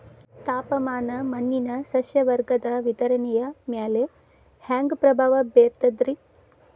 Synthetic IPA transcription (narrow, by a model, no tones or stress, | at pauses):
t̪aːpɐmaːnɐmɐnːinɐsɐʃjɐʋɐɾɡɐd̪ɐʋit̪ɐɾɐnijɐmjaːleː | haːŋɡpɾɐbʱɐʋɐbeːɾt̪ɐd̪ɾi